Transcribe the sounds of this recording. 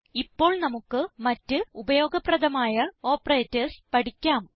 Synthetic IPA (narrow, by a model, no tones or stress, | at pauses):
ipːo̞ːɭnɐmukːɨmɐtːɨubɐjo̞ːɡɐprɐðɐmaːjɐo̞ːpreːtːɐspɐɽikʲːaːm